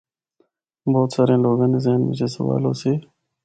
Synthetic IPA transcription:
boːt̪saːɾẽːloːɡãːneːzeːnɪ̰t͡ʃeːsəʋa̰ːlo̰ːsiː

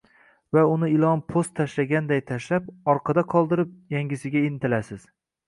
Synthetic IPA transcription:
vaʊnɪɪlˠɒnpʰost̪ʰaʃlaɡʲand̪ajt̪ʰaʃlapɒɾqʰɑd̪aqʰɒlˠd̪ɪɾɪp̚jaŋɡʲɪsɪɡʲaɪnt̪ɪlasɪz̥

